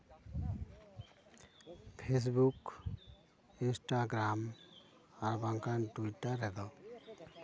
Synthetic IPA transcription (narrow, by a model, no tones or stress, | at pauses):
pʰes̬buk | insʈaɡɾam | aɾbaŋkʰantuitːaɾːɛɡal